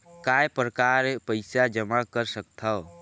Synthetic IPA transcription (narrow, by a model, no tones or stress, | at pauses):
kajpɾəkaɾpəɪsad͡ʒəmakəɾsək̚t̪ʰao